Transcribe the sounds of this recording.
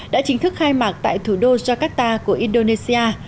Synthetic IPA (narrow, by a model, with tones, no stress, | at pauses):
ɗɗa̰ː˧˥t͡ɕï˨˦ŋ̟t̪ʰɨ˦˥k̚xaː˧jmaː˨˩k̚t̪a̰ː˧˨jt̪ʰu˧˩ɗo˧zɔ˧kaː˦˥k̚t̪aː˧ku˧˩əʔi˧nɗo˧ne˧si˧ʔaː˧